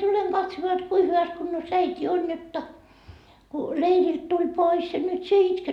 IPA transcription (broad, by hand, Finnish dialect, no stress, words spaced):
tuleŋ kɑtsmoɑ jot kui hyʋæs kunːos æitʲi on jotːɑ ku leirilt tulʲ pois jɑ nyt sie itket